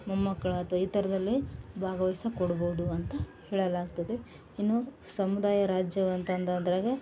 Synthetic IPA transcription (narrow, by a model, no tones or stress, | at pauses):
mɐmːɐkːɐɭuɐt̪ʋɐiːt̪ɐɾɐd̪ɐlːibʱaːɡɐʋisɐkɔɽɐboːud̪uɐnt̪ɐhɛːɭɐlaːɡt̪ɐd̪e̞ | inːu | sɐmud̪aːjɐɾaːd͡ʒjɐʋɐnt̪ɐnd̪ɐnd̪ɐɾɐːɡe